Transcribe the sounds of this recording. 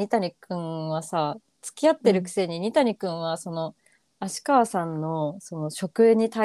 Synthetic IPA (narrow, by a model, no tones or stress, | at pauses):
it̪aɲ̟ʲikɯ̟̃ɰ̃βasa | t͡sɨ̥kʲiat̪ːe̞ɾɯ̟kɯ̟̥se̞ɲ̟iɲ̟ʲit̪aɲ̟ikɯ̟̃ɰ̃βaso̞no̞ | aɕi̥kaβsãnːo̞so̞no̞ɕo̞kɯ̟ɲ̟it̪a